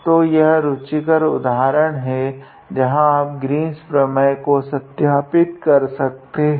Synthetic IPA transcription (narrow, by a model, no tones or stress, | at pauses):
t̪ojɐɦɾʊt͡ʃikəɾʊd̪aːɦɾəɽ̃ɦɛ | d͡ʒɐɦãaːp̚ɡɾiːnspɾɐməjkosɐt̪jaːpɪt̪kɐɾsɐk̚t̪eɦ